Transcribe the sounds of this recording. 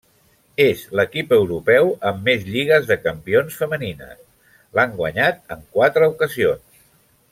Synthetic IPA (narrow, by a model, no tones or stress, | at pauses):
ezləkipəwɾupɛwəmːezʎiɣ̞əzðəkəmpionsfəməninə̰s | laŋɡwəɲat̪ə̰ŋkwat̪ɾəukəzions